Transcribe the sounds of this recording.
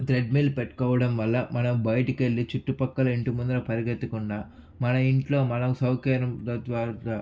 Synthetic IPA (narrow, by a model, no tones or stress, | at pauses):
t̪ɾeɖ̚miːlpeʈːkɔːʋɐɽɐmʋɐlːɐmɐnɐmbɐjʈikelːit͡ʃuʈːupɐkːɐlɐiɳʈumund̪lɐpɐɾiɡet̪ːukuɳɖaː | mɐnɐiɳʈlo̞ːmɐnɐkusɐwkɐːɾɐmd̪ʋaː